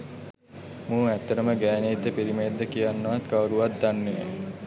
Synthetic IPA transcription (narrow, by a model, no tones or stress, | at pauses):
mũːæt̪ːəɾəməɡæːneːt̪ːəpiɾimeed̪ːəkijanːɐʋat̪kaʋəɾuʋat̪̚d̪anːejə